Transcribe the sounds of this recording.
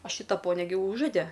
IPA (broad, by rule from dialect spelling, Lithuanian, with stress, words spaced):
oː ˈʃʲiːtɐ ˈpoːnʲɛ ɡʲɪ ˈuːʒoːdʲɛ